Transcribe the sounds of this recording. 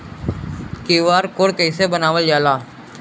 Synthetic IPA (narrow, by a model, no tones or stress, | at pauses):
kiʋaːɾkoɽkəɪsebənaːʋəld͡ʒaːlaː